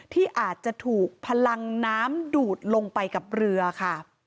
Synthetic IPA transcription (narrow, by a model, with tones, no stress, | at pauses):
t̪ʰiː˥˩ʔaː˨˩t̪̚t͡ɕa˨˩ʔt̪ʰuː˨˩k̚pʰa˧la˧ŋnaː˦˥mduː˨˩t̪̚lo˧ŋpa˧jka˨˩p̚ɾɯ˧ɐkʰa˥˩